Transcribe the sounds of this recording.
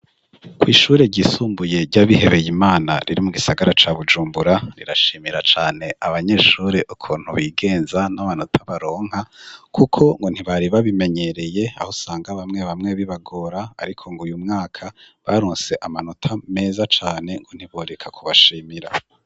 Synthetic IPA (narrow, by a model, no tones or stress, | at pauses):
kwiːʃuːɾe̞ɟisuːmbuje̞ɾɟaβihe̞βe̞jimaːna̰ɾiɾimuɡisaɡaɾat͡ʃaβud͡ʒuːmbuɾaɾḭɾaʃiːmiɾat͡ʃaːne̞aβaɲe̞ːʃuːɾe̞ʔukʰuːn̥huβiːɡe̞ːnzanaβanotʰaβaɾo̞ːŋ̥hakʰukʰo̞ŋɡo̞n̥hiβaɾiβaβime̞ɲe̞ɾe̞je̞ahosaːŋɡaβamŋe̞βamŋe̞βiβaɡo̞ɾaːɾikʰo̞ŋɡujumŋaːkʰa | βa̰ɾoːnse̞ʔamanotʰame̞ːzat͡ʃaːne̞ŋɡon̥hiβoɾekʰakʰuβaʃiːmiɾa